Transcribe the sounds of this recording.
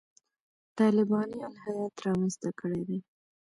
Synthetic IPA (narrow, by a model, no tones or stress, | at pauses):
t̪ɑlɪbɑnijɑnɦawɑt̪ɾɑmənst̪akəɽed̪e